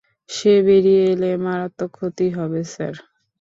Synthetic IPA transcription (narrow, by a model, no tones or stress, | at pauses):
ʃebeɾieelemaɾat̪ːokʰːot̪iɦɔbesa̰ɾ